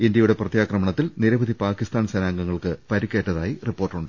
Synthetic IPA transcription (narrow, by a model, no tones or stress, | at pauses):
indjɐjuɽeprɐt̪jaːkrɐmɐɳɐt̪ːilniɾɐbɐd̪ipaːkist̪aːnsɐnaːŋɡɐŋːɐɭkɨpɐɾikʲːe̞ːʈːɐðaːjiripːo̞ːrʈːuɳɖɨ